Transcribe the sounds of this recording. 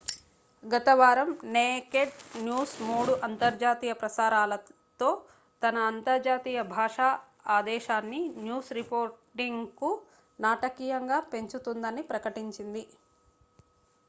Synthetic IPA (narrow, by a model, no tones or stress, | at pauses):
ɡɐt̪ɐʋaːɾɐmneːkeʈnjuːsmuːɽuʔɐnt̪ɐɾd͡ʒaːt̪iːjɐpɾɐsaːɾaːlɐ | t̪o̞ː | t̪ɐnɐːnt̪ɐɾd͡ʒaːt̪iːjɐbʱaːʂaː | aːd̪ɛːʃaːnːinjuːsɾipoːɾʈiŋɡku | naːʈɐkiːjɐŋɡaːpe̞ɲt͡ʃut̪und̪ɐnipɾɐkɐʈiɲt͡ʃind̪i